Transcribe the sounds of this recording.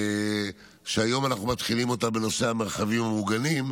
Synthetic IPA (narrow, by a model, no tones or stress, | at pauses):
ʃeajo̞manaχnumat̪χilimo̞t̪abe̞no̞se̞ameʁχavimhamuɡanim